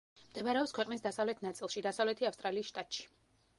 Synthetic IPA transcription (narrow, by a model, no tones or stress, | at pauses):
md̪ɛmaɾɛɔpskʰwɛqʼnisd̪asavlɛt̪ʰnat̪sʼilˠʃid̪asavlɛt̪ʰiafst̪ʼɾaliːsʃt̪ʼat̪ʼʃi̥